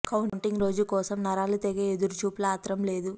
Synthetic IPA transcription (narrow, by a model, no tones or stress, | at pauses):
kɐwuɳɳʈiŋɡɾo̞ːd͡ʒukɔːsɐmnɐɾaːlut̪ɛɡeːed̪uɾut͡ʃuːplaːt̪ɾɐmle̞ːd̪u